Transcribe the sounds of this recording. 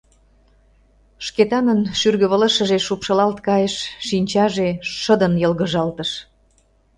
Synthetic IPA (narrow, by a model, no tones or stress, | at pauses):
ʃket̪ɑnənʃyrɣə̆βələʃə̆ʒeʃupʃɤlɑlt̪kɑjəʃːinʲt͡ɕɑʒeəd̪ənjəlɣə̆ʒɑlt̪əʃ